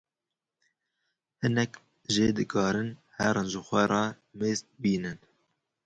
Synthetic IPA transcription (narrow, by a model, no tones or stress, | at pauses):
hɨnɛk | ʒeːd̪ɨkʰɑːɾɨn | hɛɾɨʒɨxʷɛɾˤɑː | meːzt̪̚biːnɨn